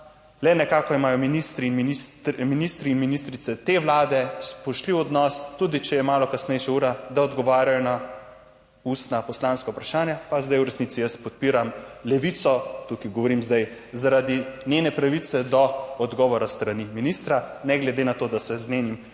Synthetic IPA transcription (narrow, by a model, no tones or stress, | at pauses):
lɛnɛkaːkɔimaːjɔminist̪ɾinminist̪minist̪ɾiːnminist̪ɾit̪sɛt̪eʋlaːd̪ɛspɔʃliwɔd̪nɔst̪ud̪it͡ʃɛjɛmaːlɔkasnɛjʃauːɾad̪aɔd̪ɡɔʋaːɾjajɔna | uːst̪napɔslaːnskaupɾaʃaːnjapazd̪ajuɾɛsnitsijəst̪pɔt̪̚piːɾamlɛʋit̪sɔt̪ukiɡɔʋɔɾimzd̪aj | zaɾad̪injenɛpɾaʋit̪sɛd̪ɔɔd̪ɡɔʋɔɾast̪ɾaniminist̪ɾanɛɡlɛd̪enat̪oːd̪asɛzneːnim